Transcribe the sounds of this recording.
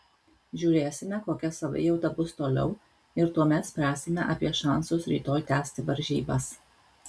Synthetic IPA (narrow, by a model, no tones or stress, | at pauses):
ʒʲuːɾʲeːsʲɪmʲɛkoːkʲɛsɐʋɐ̰jɛʊt̪ɐbʊst̪oːlʲɛ̰ʊ | ɪɾt̪uɔmʲɛt̪sʲpʲɾʲæːsʲɪmʲɛʔɐpʲiɛʃɑˑnsosɾʲḭːt̪oːjt̪ʲæːsʲt̪ʲɪʋɐɾʲʒʲḭːbɐs